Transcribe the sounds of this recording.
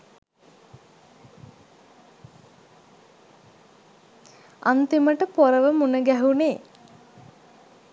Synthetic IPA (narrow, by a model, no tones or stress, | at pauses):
a̰nt̪iməʈəpoɾəʋəmunəɡæɦuneː